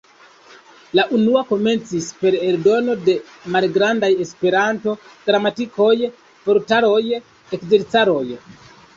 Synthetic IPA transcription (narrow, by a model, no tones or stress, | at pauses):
laʔunuako̞me̞nt͡sispe̞ɾe̞ldo̞no̞de̞ | malɡɾandaje̞spe̞ɾanto̞ɡ̥ɾamatiko̞j | poɾtaɾo̞j | ekze̞ɾt͡saɾo̞j